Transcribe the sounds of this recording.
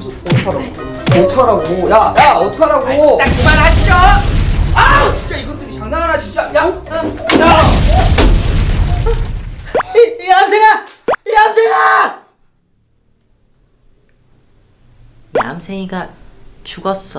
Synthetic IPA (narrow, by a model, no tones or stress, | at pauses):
oʌtʰʌɾaɡo | ʌtʰʌɾaɡojajaʌtʰʌɾaɡot͡ɕaɯmaɾɦaɕʰid͡ʑo | at͡ɕʰi̥nt͡ɕ͈aiɡʌt͈ɯɾit͡ɕʌŋdaŋɦanat͡ɕint͡ɕ͈aja | a | namsʰeŋanamsʰeŋa | na̰msʰeŋiɡat͡ɕuɡʌs͈ʌ